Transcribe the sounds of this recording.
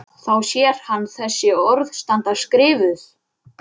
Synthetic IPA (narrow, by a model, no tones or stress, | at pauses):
θawsjɛɾ̥hanːθɛsːɪɔɾðst̪ant̪askɾɪːvʏθ